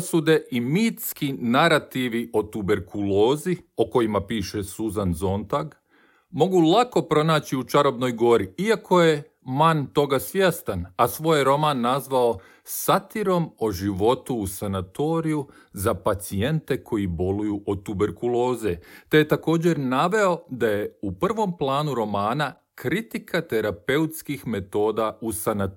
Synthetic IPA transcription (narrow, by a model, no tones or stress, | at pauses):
sud̪e̞ʔimit̪skinaɾat̪iʋiʔo̞t̪ube̞ɾkʰulo̞ːzio̞ko̞jimapiːʃe̞suzanzo̞nt̪aɡ | mo̞ɡulˠako̞pɾo̞naːt͡ɕiut͡ʃaɾo̞bno̞jɡo̞ɾiiakʰo̞je̞ | mant̪o̞ɡasʋjest̪anasʋo̞ːjɾo̞manːazʋao̞ | sat̪iɾo̞mo̞ʒiʋo̞t̪uːsanat̪o̞ːɾiju | zapat̪sie̞nt̪e̞kʰo̞jibo̞lujuʔot̪ube̞ɾkulˠo̞ːzet̪e̞je̞t̪ako̞ːd͡ʑe̞ɾnaʋe̞o̞d̪aje̞upr̩ʋo̞mplˠaːnuɾo̞maːna | kɾit̪ikat̪e̞ɾape̞ut̪skixme̞t̪o̞ːd̪ausana